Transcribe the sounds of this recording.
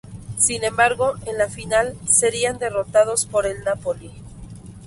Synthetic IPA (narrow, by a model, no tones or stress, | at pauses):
sinẽ̞mbaɾɣo̞ʔenlafinalse̞ɾiand̪e̞ro̞t̪aðo̞spo̞ɾe̞lnapo̞li